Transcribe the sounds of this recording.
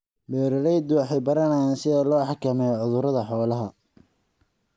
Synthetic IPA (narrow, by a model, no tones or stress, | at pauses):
mɛːɾɐɾɛjd̪ʊwɑħɛjbɐɾɐnɛjaːnsɪðɛːlɔːħɑkʰɐmɛːjɔʕʊðʊɾɐðɐħɔːlɐɦɐ